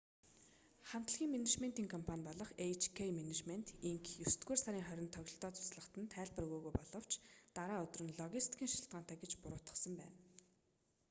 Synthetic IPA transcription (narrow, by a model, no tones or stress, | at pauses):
χam̥t̪ə̆ɮɣʲiːŋmenet͡ɕment̪iːŋkʰɔmpʰanʲpɔɮɞ̆χejt͡ɕʰkʰejmenet͡ɕment̪iŋkjɵsɘ̥t̪ɡuːrsaɾʲiːŋχœɾʲɪ̆nt̪ʰœɣʲɪ̆ɬt̪ɔːt͡sʊ̥sɮə̆χt̪ə̆nt̪ʰæːɮpə̆rɵɣuːɣujpɔɮɞ̆w̥t͡ɕʰt̪aɾaːɵt̪̆rɵ̆nɮɔɣʲist̪i̥kʰʲiːŋʃiɬt̪̚ɢaːnt̪ʰæːɡet͡ɕpʊɾʊːt̪ə̥̆sə̆mpæ̰ːn